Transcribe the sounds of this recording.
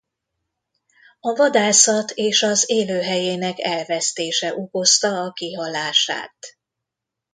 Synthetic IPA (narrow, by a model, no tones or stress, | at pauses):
ɒvɒd̪aːsɒt̪ʰeːʃɒzeːløːɦɛjeːnɛkɛlvɛst̪eːʃɛʔuko̞st̪ɒːkiɦɒlaːʃa̰ːt̪